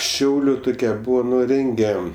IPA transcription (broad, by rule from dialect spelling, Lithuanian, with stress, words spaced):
ˈʃʲɛʊlʲʊ ˈtʊkʲɛ ˈbuːʋoː ˈnʊ ˈrʲɛŋʲɡʲɛ